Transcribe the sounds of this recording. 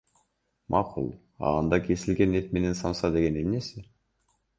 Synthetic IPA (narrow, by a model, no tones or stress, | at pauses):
mʔɑqʰṵlˠ | ɑ̰ɑnd̪ɑkʰe̞sɪlɡe̞net̪̚me̞ne̞nsɑmsɑd̪e̞ɡe̞ne̞mne̞sɪ